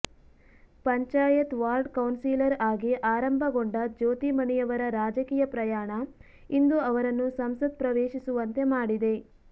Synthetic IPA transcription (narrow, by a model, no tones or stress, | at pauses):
pɐɲt͡ʃaːjɐt̪ʋaːɾɖkɐwnsiːlɐɾaːɡiʔaːɾɐmbʱɐɡoɳɖɐd͡ʒoːt̪imɐnɛjɐʋɐɾɐɾaːd͡ʒɐkiːjɐpɾɐjaːɳɐ | ind̪uɐʋɐɾɐnːusɐmsɐd̪̚pɾɐʋeːʃisuʋɐnt̪e̞maːɽid̪e̞